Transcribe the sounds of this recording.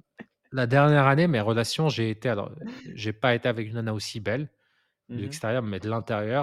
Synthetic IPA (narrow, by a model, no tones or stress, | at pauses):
lad̪ɛʁnjɛʁanemeʁəlasjɔ̃ʒeːt̪ealɔ̰ʁʒepaet̪eavɛkynanaosibɛl | d̪əlɛkst̪eʁjœʁmɛd̪əlɛ̃t̪eʁjœʁ